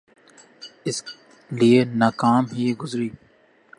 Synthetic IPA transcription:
ɪs | lienaːkaːmɦiːɡʊzɾiː

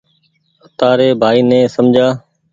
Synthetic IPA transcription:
ət̪aːɾeːbʱaːiːnẽːsəmd͡ʒʱaː

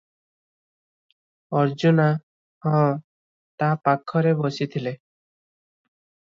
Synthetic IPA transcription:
ɔɾd͡ʒuna | hɔ̃ː | t̪apakʰːɔɾebɔsit̪ʰile

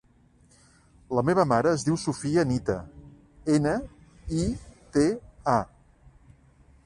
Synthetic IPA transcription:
ləmeβ̞əmaɾəːzðiwsufiənit̪ə̰ | enə | it̪ea

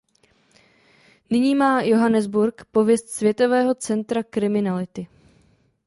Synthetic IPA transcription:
nɪɲiːmaːjo̞ɦanɛzbuɾkpo̞vjɛst̪svjɛt̪o̞vɛːɦo̞t͡sɛnt̪ɾakɾɪmɪnalɪt̪ɪ

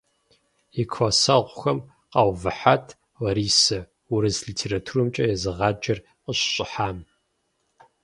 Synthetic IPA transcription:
ikʷʰɐsɐʁʷʊxɐm | qɑwvɨħatʰ | wɐɾiːsɐ | ʊɾɨzɮitʰeːɾatʰuɾɨmt͡ʃʼɐjɛzɨʁɑːd͡ʒɐr | qəɕɕʼɪħaːm

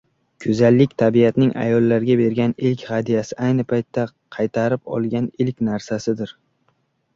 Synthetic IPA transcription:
kʲʰɵzalːɪkʲt̪ʰabijat̪nɪŋʔa̰jɒlˠːaɾɪɡʲabe̞ɾɡʲanɪlkʲhad̪ijasɪʔajnɪpʰajt̪ʰːa | qʰɑjt̪ʰaɾɪpɒ̰lˠɡʲanɪlkʲnaɾsasɪd̪ɪɾ

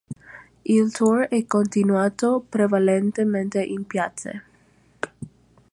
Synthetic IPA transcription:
ilt̪urɛkːont̪inwaːt̪opɾevalent̪ement̪eʔimpjat̪sḛ

